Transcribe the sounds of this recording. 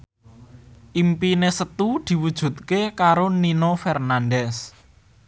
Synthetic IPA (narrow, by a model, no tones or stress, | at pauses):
ʔimpinesət̪ud̪̥i̤wud̥ʒ̥ṳt̪̚kekaɾoninofɛrnandɛs